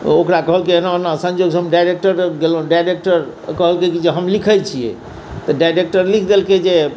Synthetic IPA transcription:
okɾakəɦəlkinanasə̃nd͡ʒoɡsɦbmɖajɾek̚ʈəɾɡeloɖajɾek̚ʈəɾ | kəɦəlkekid͡ʒeɦəmlikʰəjt͡ʃʰijɛ̰ | t̪ɔɖajɾek̚ʈəɾlikʰd̪elked͡ʒe

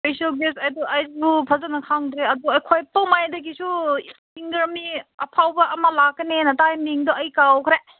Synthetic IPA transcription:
spesiɐlɡesɐjd̪ɔʔajzbupʰɐzanɐkʰaŋd̪ɾeɐd̪uɐjkʰojpɐmajd̪ɐɡisʰusiŋɡɐɾmiɐpʰawbɐʔɐmɐlaɡɐnenɐtajmiŋd̪ɔɐjkawkʰɾe

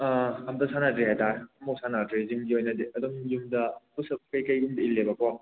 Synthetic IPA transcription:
hamdɐsanadɾiɦajtaɾɐmok̚sanadɾizimɡiojnɐdiɐduŋjumdɐpusɐp̚kɐjkɐjɡumdɐilːebɐkɔ

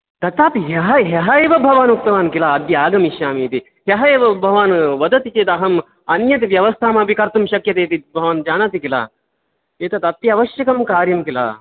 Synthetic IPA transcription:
t̪ɐt̪aːpiɦɐɦɐɦɐɦɐeːʋɐbʱɐʋaːnuk̚t̪ɐʋaːnkilaːɐd̪jɐaːɡɐmiʃjaːmiːt̪i | ɦɐɦɐeːʋɐbʱɐʋaːnʋɐd̪ɐt̪it͡ʃeːt̪ɐɦɐm | ɐnjɐt̪iʋjɐʋɐst̪ʰaːmaːpikɐɾt̪ɐmʃɐkjɐt̪eːt̪ibʱɐʋaːnd͡ʒaːnaːt̪ikila̰ː | eːt̪ɐt̪ɐt̪jɐɐʋɐʃjɐkɐmkaːɾjɐmkila̰ː

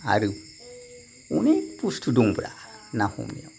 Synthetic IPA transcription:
a̰ɾɨ | unepustʰuduŋbɾa̰nahṵmnḭo

